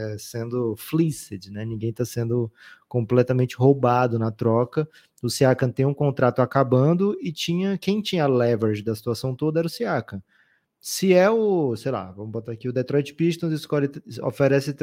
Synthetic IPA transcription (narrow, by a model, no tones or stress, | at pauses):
ɛsẽnd̪ʊflisɪd͡ʒɪnɛnĩɡẽj̃t̪asẽnd̪ʊkõplɛt̪ɐmẽnt͡ʃɪɦowbad̪ʊnɐt̪ɾɔkɐ | ʊsiakɐ̃t̪ẽj̃ũkõnt̪ɾat̪ʊakabɐ̃d̪ʊɪt͡ʃĩɲɐkẽj̃t͡ʃĩɲɐlɛvɛɾd͡ʒɪd̪ɐsi̥t̪uasɐ̃w̃t̪od̪ɐɛɾʊsiakɐ̃ | sɪɛʊsejla̰vɐ̃mʊbot̪aɾakiʊd̪et̪ɾɔjt͡ʃɪ̥piʃt̪õzɪskɔɾɪo̰feɾɛsɪt̪